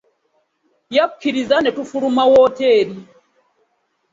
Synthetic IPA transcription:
jakukiɾizanetufuɾumawɔteːɾi

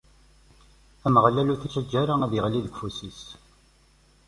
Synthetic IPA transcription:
æmʁlːæluθæʃæd͡ʒːæɾaæðjəʁliðəɡfusis

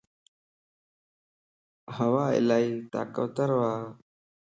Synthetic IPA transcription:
həʋaːɪ̰laːiːt̪a̰ːkəʋt̪əɾʋaː

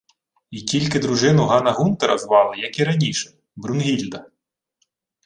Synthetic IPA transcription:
ikʲilʲkɪd̪ɾʊʒɪnʊɦɑnɐɦunt̪ɐɾɐzʋɑlˠɪjɐkiɾɐnʲiʃɛ̥ | bɾʊnɦʲilʲd̪ɐ

